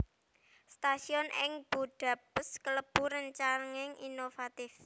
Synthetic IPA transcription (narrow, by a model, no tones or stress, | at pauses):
st̪asiɔnʔɪŋb̥oɖ̪̥ä̤b̥əskələb̥ṳɾəɲt͡ʃaŋɪŋinofat̪ɪf